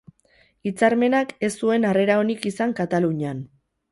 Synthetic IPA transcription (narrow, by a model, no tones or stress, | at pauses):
it͡saɾme̞nake̞sːue̞nare̞ɾao̞nikisaŋkat̪aluɲan